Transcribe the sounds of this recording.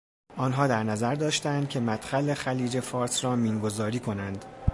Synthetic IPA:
ʔɒːnɦɒːd̪æɾnæzæɾd̪ɒːʃt̪ænd̪̥cʰe̞mæt̪xælexæliːd͡ʒe̞fɒːɾsrɒːmiːnɡo̞zɒːɾiːkʰo̞nænd̪

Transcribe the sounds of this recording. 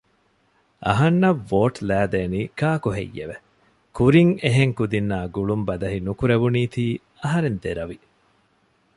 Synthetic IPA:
ʔɐ̰ɦɐnːɐʋːoːʈlæːd̪eːniːkaːkoɦḛjːḛʋe | kuɾiŋeɦeŋkud̪inːaːɡuɭumbɐd̪ɐɦinukuɾeʋuniːt̪iː | ɐɦɐɾend̪eɾɐʋi

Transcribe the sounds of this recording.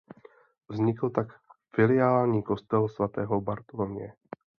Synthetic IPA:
vzɲɪkl̩t̪akfɪlɪjaːlɲiːko̞st̪ɛlsvat̪ɛːɦobaɾt̪olomɲɛ̰

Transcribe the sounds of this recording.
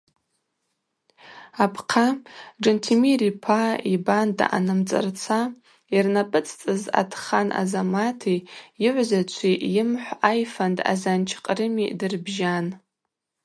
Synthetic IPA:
apʰqʰad͡ʒentʰimiripʰaibanda̰ʔa̰nɨmt͡sʼɨ̰rt͡sʷʰa | irnapʼɨt͡sʼʰt͡sʼɨza̰tʰχanʔa̰zamatʰijɪʕʷzat͡ʃʷʰiʔjɪmħʷajfanda̰zant͡ʃʰqʼrɨmḭdɨrbʒan

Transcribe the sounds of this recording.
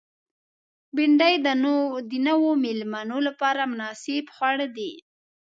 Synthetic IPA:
bɪɳɖajd̪ənd̪inawomɪlmanolapɑɾamʊnɑsɪbxwaɽəd̪i

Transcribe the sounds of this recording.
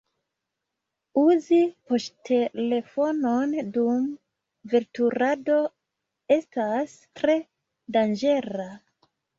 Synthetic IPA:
uzipostʰe̞le̞fo̞no̞ndum | veɾtuɾado̞ | e̞stas | tɾe̞ | dand͡ʒe̞ɾa

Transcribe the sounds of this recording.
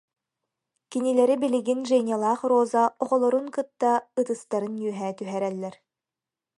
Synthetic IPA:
kinilɛɾibiliɡinʒɛnʲalˠaːχroːzaɔʁɔlˠɔɾunkɯt̪ːaɯt̪ɯst̪aɾɯnjyœɦɛːt̪yɦɛɾɛlːɛɾ

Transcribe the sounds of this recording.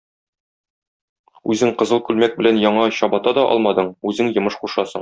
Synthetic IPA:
ʉzɘŋqɤ̆zɤlˠkʉlmæk̚bɘ̆lænjɒɴɑɕɒbɑt̪ɑd̪ɒʔɒ̰lˠmɑd̪ɤɴʉzɘŋjɤ̆mɤʃχuʃɑsɤɴ

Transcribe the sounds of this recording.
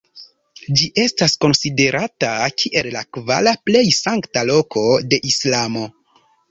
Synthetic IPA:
d͡ʒiʔe̞stasko̞nside̞ɾʔatakʰiʔe̞llakva̰laple̞jsaŋktalo̞kʰo̞de̞ʔislamo̞

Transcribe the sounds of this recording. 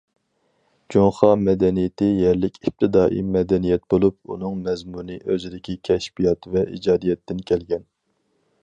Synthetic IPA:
d͡ʒoŋχɑmɛd̪ɛnijɪt̪ɪjɛɾlɪkʲʰip̚t̪ʰɪd̪ɑːʔḭmɛd̪ɛnijɛt̪bolˠup̚ṵnɨŋmɛzmunɨʔøzɪd̪ɪkʲʰikʲʰɛʃbijɑt̪vɛḭd͡ʒɑːd̪ijɛt̪ʰːɪnkʲʰɛlɡʲɛn

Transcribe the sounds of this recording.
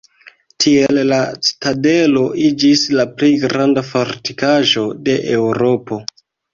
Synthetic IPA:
tʰie̞lːastade̞lo̞ʔid͡ʒislaplejɡɾandafoɾti̥kaʒo̞de̞ʔewɾo̞po̞

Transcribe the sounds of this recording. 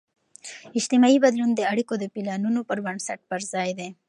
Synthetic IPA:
ɪʃt̪ɪmɑibad̪lund̪əaɽikod̪əpilɑnunopəɾbaɳsaʈ̚pəɾzɑjd̪e

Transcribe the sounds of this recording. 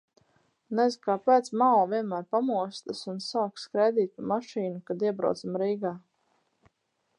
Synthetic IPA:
nɛzkaːpɛt̪smalviɛnmæːɾpamuɔst̪asunsaːkskɾɛjd̪iːt̪̚ʲpamaʃiːnukad̪iɛbɾa̰samɾiːɡaː

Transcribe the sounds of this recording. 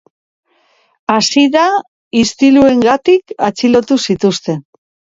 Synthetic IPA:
asiða | ist̪ilue̞ŋɡat̪ikat͡silo̞t̪usit̪ust̪e̞n

